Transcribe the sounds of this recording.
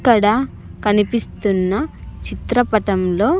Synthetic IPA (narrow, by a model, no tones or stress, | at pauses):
kːɐɽɐ | kɐnipist̪unːɐt͡ʃit̪ɾɐpɐʈɐmlo̞ː